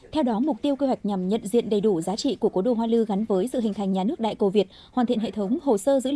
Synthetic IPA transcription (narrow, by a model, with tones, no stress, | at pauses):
t̪ʰɛ˧wɗɔ˨˦mʊ˨˩k͡p̚t̪i˧əwke˧ɦwa˨˩jk̚ɲa˨˩mɲə̰˧˨nzḭ˧˨ənɗə˨˩jɗu˧˩zaː˨˦t͡ɕḭ˧˨ku˧˩əko˨˦ɗo̰˧˨ɦwaː˧lɨ˧ɣa˨˦nvəː˨˦jsɨ̰˧˨hï˨˩ŋ̟t̪ʰa˨˩jŋ̟ɲaː˨˩nɨ˦˥ək̚ɗa̰ː˧˨jkə˨˩vi˨˩ət̚ | hwaː˨˩nt̪ḭ˧˨ənhḛ˧˨t̪ʰə˨˦wŋ͡mho˨˩səː˧zɨ̰˧˥